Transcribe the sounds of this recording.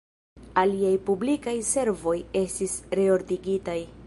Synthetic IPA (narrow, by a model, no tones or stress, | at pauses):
aliajpublikajse̞ɾvo̞je̞stisɾe̞o̞ɾdiɡitaj